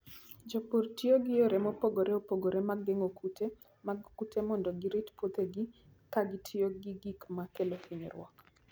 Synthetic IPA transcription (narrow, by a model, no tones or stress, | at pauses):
d͡ʒoportɪoɡɪjoɾemopoɡoɾeopoɡoɾemaɡːeŋokʰute | maɡkutʰemɔndɔɡɪɾitpot̪eɡɪ | kaɡɪtʰɪoɡɪɡikmakelokʰiɲḛɾwɔ̰k